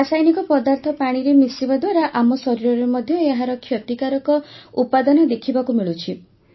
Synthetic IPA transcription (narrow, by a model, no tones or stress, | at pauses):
ɾasajnikɔpɔd̪aɾt̪ʰɔpaɽ̃iɾemisibad̪waɾaʔamɔsɔɾiɾɔɾemɔd̪ʱjɔeɦaɾɔkʰjɔt̪ikaɾɔkɔupad̪ɔnɔd̪ekʰibakumiɭut͡ʃʰi